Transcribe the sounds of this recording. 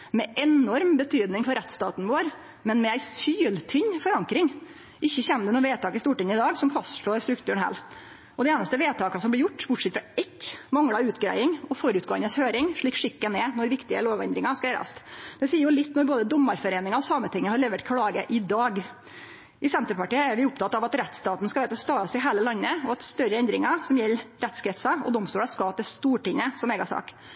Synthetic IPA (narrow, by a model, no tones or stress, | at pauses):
mɛʔɛnɔɾmbət̪ʰyːd̪nɪŋfɔɾɛt̪st̪ɑːt̪n̩ʋoːɾ | mɛnmɛæɪsyːlt̪ʰʏɲfɔɾɑŋkɾɪŋ | ʔɪçːəçɛnd̪ənuːʋeːt̪ʰɑːkɪst̪uːʈɪnəɪd̪ɑːɡsɔmfɑst̪ʂɭoːɾst̪ɾʉkt̪ʰʉːɳhæ̰ːl | ʔɔd̪ɛeːnɑst̪əʋeːt̪ʰɑːkɑsɔmblɪɾjʊʈːbʊʈʂɛt̪fɾɑɛkːmɑŋɽɑʉːt̪ɡɾæ̰ɪɪŋɔfɔɾʉt̪̚ɡoːənəshøːɾɪŋʂɭiːkʂɪkːənɛnɔɾʋɪkt̪ɪə̰loːʋɛnd̪ɾɪŋɑskɑɛːɾɑ̰st̪d̪̥ɛsiːəɾjʊlɪt̪ːnɔɾboːd̪əd̪ɔmːɑɾfɔɾeːnɪŋɑɔsɑːmət̪ʰɪŋːəhɑɾɭleːʋəʈkʰɽɑːɡəʔɪd̪ɑːɡ | ɪsɛnt̪əɾpɑʈiːəæɾʋɪʊp̚t̪ʰɑt̪ːɑʋɑt̪ɾɛt̪st̪ɑːt̪n̩skɑʋæɪt̪ʰɑst̪ɑːɾɑst̪ɪɦæːləlɑnːəɔɑt̪st̪œɾəɛnd̪ɾɪŋɑsɔmjɛlːɾɛt̪skʰɾɛt̪sɑɔ̰d̪ɔmst̪uːɽɑskɑːt̪ɛst̪uːʈɪŋːəsɔmeːɡɑsɑ̰ːk